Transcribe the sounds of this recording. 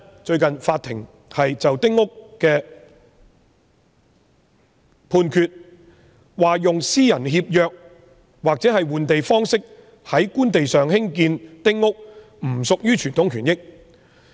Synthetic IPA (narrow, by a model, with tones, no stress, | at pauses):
t͡ʃɵ˧ɥkɐ˨nfaː˧t̪ʰɪ˨˩ŋ | hɐ˨jt͡sɐ˨wt̪ɪ˥ŋːʊ˥kːɛː˧ | pʰuː˧nkʰyː˧t̚ | waː˨jʊ˨ŋsiː˥jɐ˨˩nhiː˧p̚jœː˨˧k̚ | waː˨k̚t͡sɛː˨˥hɐ˨jwuː˨nt̪e˨jfɔː˥ŋsɪ˥k̚ | hɐ˨˥jkuː˥nt̪e˨jsœː˨ŋhɪ˥ŋkiː˧nt̪ɪ˥ŋŋʊ˥k̚ | m̩˨˩sʊ˨k̚jyː˥t͡ʃʰyː˨˩nt̪ʰʊ˨˥ŋkʰyː˨˩njɪ˥k̚